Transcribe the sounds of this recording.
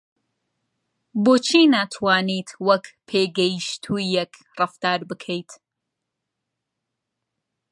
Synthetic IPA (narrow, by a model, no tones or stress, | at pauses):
boːt͡ʃʰiːnaːt̪ʰwaːnit̪ʰwɐkpʰeːɡɛjʃt̪ʰuːjɛk | rɨft̪aːɾbɨkʰejt̪